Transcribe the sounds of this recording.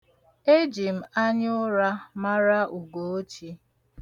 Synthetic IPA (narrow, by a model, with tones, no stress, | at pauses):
e˦d͡ʒi˨m̩˨a˦ɲ˦ʊ˦ɾa˦ma˦ɾa˦ʔu˨ɡo˨o˦t͡ʃi˦